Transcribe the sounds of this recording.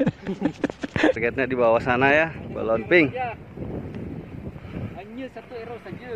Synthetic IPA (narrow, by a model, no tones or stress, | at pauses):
rkaat̪̚ɲadibawasanajaba̰lɔnpɪŋ